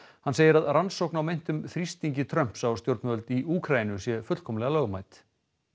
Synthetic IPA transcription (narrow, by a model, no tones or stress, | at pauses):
hanseːjɪɾaðransowknawmejn̥t̪ʏmθɾist̪iɲcɪt̪ʰɾœm̥psawst̪jowɾt̪nmœlt̪iuːkʰɾajinʏsjɛfʏt̪kʰɔmlɛɣalœːɣmajt̪